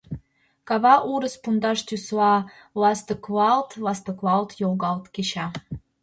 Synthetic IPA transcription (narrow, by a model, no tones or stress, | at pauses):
kɑβɑʔuɾəspund̪ɑʃt̪ʲyslɑ | lɑst̪ə̆kvɑlt̪lɑst̪ə̆kvɑlt̪jolɣɑlˠt̪keɕɑ